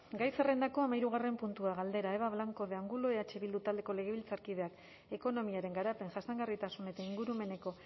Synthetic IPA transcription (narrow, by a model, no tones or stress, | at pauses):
ɡajse̞re̞nd̪ako̞amaiɾuɣare̞mpunt̪uaɣald̪e̞ɾaeβaβlaŋko̞ðeaŋɡulo̞eat͡ʃe̞βild̪ut̪ald̪e̞ko̞le̞ɣ̞e̞βilt͡saɾkið̞e̞ak | e̞ko̞no̞miaɾe̞ŋɡaɾape̞ŋʝasaŋɡarit̪asune̞t̪aiŋɡuɾume̞ne̞ko̞